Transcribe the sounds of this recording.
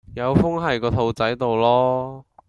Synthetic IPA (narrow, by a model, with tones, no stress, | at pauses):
jɐ˨˧wfʊ˥ŋɦɐ˨jkɔː˧t̪ʰo˧wt͡sɐ˨˥jt̪o˨wlɔː˥